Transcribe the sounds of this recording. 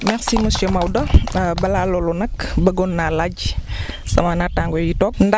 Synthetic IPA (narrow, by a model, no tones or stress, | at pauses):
mɛxsimust͡ʃɐmɐwdɐbɐlalɔlɔnɐkbɐɡɔnːalaɟ | sɐmanataŋɡɔjitɔknd